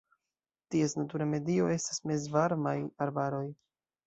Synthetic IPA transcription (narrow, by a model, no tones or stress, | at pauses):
tie̞snatuɾame̞dio̞e̞stasme̞zvaɾmajaɾbaɾo̞j